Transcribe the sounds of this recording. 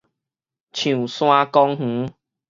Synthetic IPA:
t͡ɕʰũ˨˩sw̃ã˦kɔ˦ŋh̩˨˦

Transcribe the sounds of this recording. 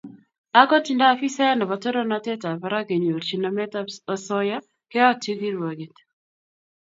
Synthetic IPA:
a˦kɔ˦ti˨nda˦fi˦sa˦nɔ˨βa˨to˦ɾo˦na˦te˦ta˨pa˨ɾa˦ɡe˨ɲo˨ɾt͡ʃi˨na˨mɛ˦taɔ˨sɔ˦ja˦ | ke˦ɔ˦ti˦ɡi˦ɾwa˨ɡe˨t

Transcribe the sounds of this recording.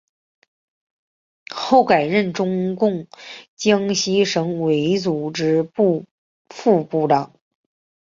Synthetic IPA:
xo˥˩ʊka˨˩ɪɻə˥˩nʈ͡ʂʊ˥ŋkʊ˥˩ŋt͡ɕjɑ˥ŋɕi˥ʂɤ˧˥ŋwe˧˥ɪt͡su˨˩ʈ͡ʂɻ̩˥pu˥˧ | fu˥˧pu˥˩ʈ͡ʂɑ˨˩˦ŋ

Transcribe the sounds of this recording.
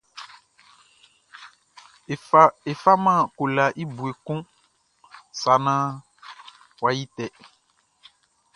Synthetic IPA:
e˨fa˦mã˦˨ko˨la˨ʔi˦bu˨e˨kũ˦ | sa˨nã˦ | wa˨ji˦tɛ˨

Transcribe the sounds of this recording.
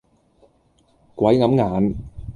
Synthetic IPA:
kʷɐ˨˥jŋɐ˨˥mŋaː˨˧n

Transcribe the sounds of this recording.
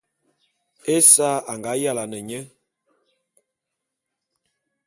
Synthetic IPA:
e˦sa˦a˨ŋɡa˨˦ja˦la˨nə˨ɲɛ˦

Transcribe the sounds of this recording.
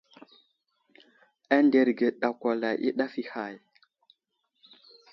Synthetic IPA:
a˦nde˨ɾɡe˨ɗa˨kʷa˨la˨jʔḭ˦ɗa˦fi˦ha˨j

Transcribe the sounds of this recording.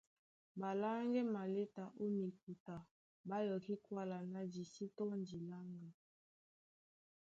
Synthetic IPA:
ba˨la˦ŋɡɛ˦ma˨le˦ta˨ʔo˦mi˨k̚u˨ta˨ | ba˦jɔ˨ki˦kwa˦la˨na˨di˨si˦tɔ˦n˦di˨la˦ŋɡa˨

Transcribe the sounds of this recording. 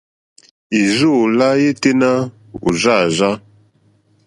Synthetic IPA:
i˨zo˦˨la˦je˦te˦na˦ | ṵ˨za˦˨za˦

